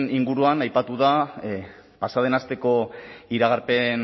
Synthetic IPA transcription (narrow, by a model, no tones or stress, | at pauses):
niŋɡuɾuanajpat̪uða | pasað̞e̞nast̪e̞ko̞iɾaɣaɾpe̞n